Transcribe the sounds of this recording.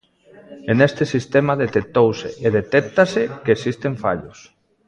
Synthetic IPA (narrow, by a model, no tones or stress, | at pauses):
enest̪esist̪emaðet̪ek̚t̪owseeðet̪ɛk̚t̪asekesist̪eɱfa̰ʎos